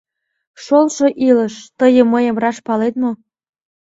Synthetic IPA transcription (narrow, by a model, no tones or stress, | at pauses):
ʃolʃoʔilə̆ʃt̪əjə̆məjə̆mrɑʃpɑlet̪̚mo